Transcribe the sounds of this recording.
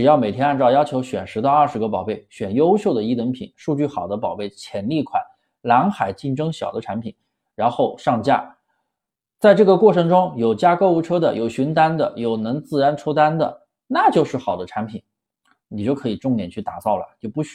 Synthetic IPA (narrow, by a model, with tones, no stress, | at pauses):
ʈ͡ʂɻ̩˨˩jɑ˥˩me˨˩ɪt̪ʰjɛ˥na˥˧nt͡sɑ˥˩ʊjɑ˥ʊt͡ɕʰjo˧˥ʊɕɥɛ˨˩nʂɻ̩˧˥t̪ɑ˥˧ɐ˞˥˩ʂɻ̩˧˥ɡə˧p̬ɑ˨˩ʊpe˥˩ɪɕɥɛ˨˩njo˥ʊɕjo˥˩ʊd̪ə˩i˥t̪wə˧˥npʰḭ˨˩nʂu˥˧t͡ɕy˥˩xɑ˨˩ʊd̪ə˦p̬ɑ˨˩ʊpe˥˩ɪt͡ɕʰjɛ˧˥nli˥˩kʰwa̰˨˩˦n | la˧˥ŋxa˨˩ɪt͡ɕi˥˩nʈ͡ʂɤ˥ŋɕjɑ̰˨˩ʊd̪ə˦ʈ͡ʂʰa˧˥npʰi˨˩˦n | ɻa˧˥nxo˥˧ʊʂɑ˥˧ŋt͡ɕja̰˥˩ | t͡sa˥˧ɪʈ͡ʂɤ˥˩ɡə˩kwɔ˥˩ʈ͡ʂʰɤ˧˥ŋʈ͡ʂʊ˥ŋjo˨˩ʊt͡ɕja˥ko˥˧ʊu˥˩ʈ͡ʂʰɤ˥d̪ə̰˨jo˨˩ʊɕy˧˥nt̪a˥nd̪ə̰˨jo˨˩ʊnɤ˧˥ŋt͡sɹ̩˥˩ɻa˧˥nʈ͡ʂʰɔ˥t̪a˥nd̪ə̰˨ | na˥˧t͡ɕjo˥˧ʊʂɻ̩˥˩xɑ˨˩ʊd̪ə˦ʈ͡ʂʰa˧˥npʰi˨˩˦n | ni˨˩t͡ɕjo˥˩ʊkʰɤ˧˥i˨˩ʈ͡ʂʊ˥˩ŋt̪jɛ˨˩nt͡ɕʰy˥˩t̪a˨˩t͡sɑ˥˩ʊlə̰˩t͡ɕjo˥˧ʊpu˥˩ɕ